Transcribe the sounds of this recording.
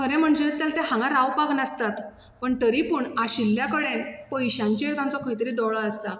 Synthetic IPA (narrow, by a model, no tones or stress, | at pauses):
kʰəɾẽm̤əɳd͡zet̪jalat̪eɦãŋɡaɾawpaɡnast̪at̪ | pəɳʈəɾipuːɳaɕilːjakəɽenpəjɕãɲt͡ɕaek̪ãnt͡sɔkʰəjt̪əɾiːd̪ɔɭaəst̪a